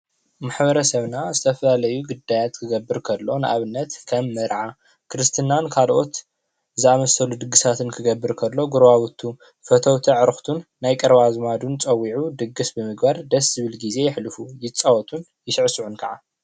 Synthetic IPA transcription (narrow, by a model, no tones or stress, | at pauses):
maħbɐɾɐsɐβnazɨt̪ʰɐfɐlalɐjuɡɨd̪ajat̪kʰɨɡɐbːɨɾkʰɐlːo̞nɨʔa̰βɨnːɐt̪kʰɐmːɐɾʕa | kʰɾɨst̪ʰɨnankʰalʔo̞t̪ | zɨamɐsɐlud̪ɨɡːɨsat̪ʰɨnkʰɨɡɐbːɨɾkʰɐlːo̞ɡuɾβawut̪ʰːu | fɐt̪ʰɐwt̪ʰiʕɨɾɨxt̪ʰunːajkʼɐɾβazɨmad̪unt͡sʼɐwiʕud̪ɨɡːɨsbɨmɨɡbaɾd̪ɐszɨβɨlɡize̞jɪħlɨfujɪt͡sʼːɐwɔt̪ʰun | jɪʃɨʕsuʕunkʰɐʕa